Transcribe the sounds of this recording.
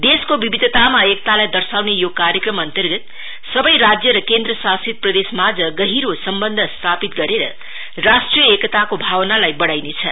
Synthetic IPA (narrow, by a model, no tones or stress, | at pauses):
d̪eskobibid̪ʱət̪amaekt̪alajd̪ʌrsawnejokaɾjəkrʌmʌnt̪ʌrɡʌt̪ | sʌbʌjɾad͡zjʌɾʌkend̪rʌsasit̪̚prʌd̪esmad͡zʌɡʌɦiɾosʌmbʌnd̪ʱʌst̪ʰapit̪ɡʌɾeɾʌ̰ | rasʈrijʌekʌt̪akobʱawnalajbʌɽajnet͡sʰʌ̰